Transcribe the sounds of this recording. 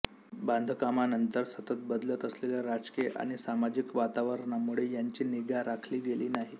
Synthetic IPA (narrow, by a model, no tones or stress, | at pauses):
band̪ʱkamanənt̪əɾsət̪ət̪̚bəd̪lət̪əsleljaɾad͡zkeʔa̰ɽ̃isamad͡ʑikʋat̪aʋəɾɳamuɭejaɲt͡ɕiːniɡaɾakʰliːɡeliːnaɦi